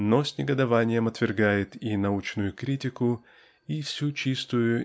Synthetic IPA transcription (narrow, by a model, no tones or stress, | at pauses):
nosʲnʲɪɡəd̪ɐvanʲɪjəmɐt̪vʲɪrɡajɪt̪inɐut͡ɕnʊjʊkɾʲitʲɪkʊ | ifsʲut͡ɕist̪ʊjʊ